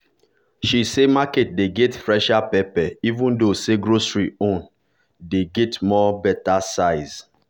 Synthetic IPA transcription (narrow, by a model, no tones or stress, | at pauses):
ʃisemaket̚deɡɛtfɹɛʃapɛpɛivũndoseɡɹosɹiõn | deɡɛtmɔbɛtasaɪz